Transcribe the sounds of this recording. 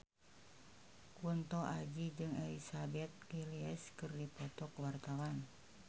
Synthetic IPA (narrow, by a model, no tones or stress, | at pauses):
kunt̪ɔʔad͡ʒid͡ʒɨŋɛlisabɛt̪̚kiliɛskɨrdipɔt̪ɔkwart̪awan